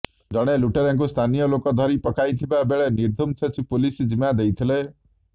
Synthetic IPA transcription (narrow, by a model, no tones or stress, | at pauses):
d͡ʒɔɽ̃eluʈeɾaŋkust̪ʰanijɔlokɔd̪ʱɔɾipɔkajt̪ʰibabeɭeniɾd̪ʱumt͡ʃʰet͡ʃʰipulisd͡ʒimad̪ejt̪ʰile